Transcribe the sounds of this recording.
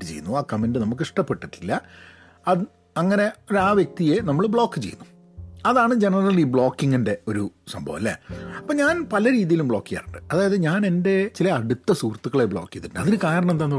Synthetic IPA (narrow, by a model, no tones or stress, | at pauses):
ɨt͡ɕḛjːunːuaːkɐmendɨnɐmuk̬ːɨiʂʈɐpːe̞ʈːiʈːilːɐ | ɐð | ɐŋːɐne̞oɾaːʋjek̚t̪ije̞nɐmːɐɭbɭo̞ːkːɨt͡ɕe̞jːunːu | ɐðaːɳɨd͡ʑe̞nɐrɐlibɭo̞ːkːiŋːinde̞o̞ɾusɐ̰mbʱɐ̰ʋɐ̰lːḛɐpːoːɲaːnpɐlɐɾiːðijilumbɭo̞ːkːija̰ːɾuɳɖɨɐðaːjɐðɨɲaːne̞nde̞t͡ɕilɐːɽut̪ːɐsuːrt̪ːukːɐɭebɭo̞ːkːijɐðiʈːunːɐðinɨkaːɾɐɳɐmed̪aːnːu